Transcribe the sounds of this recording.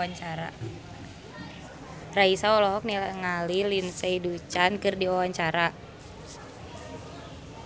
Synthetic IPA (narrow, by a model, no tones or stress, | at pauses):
aɲt͡ʃaɾa̰ | raisaɔlɔɦɔk̚nilaŋalilinseidut͡ʃankɨrdiawaɲt͡ʃaɾa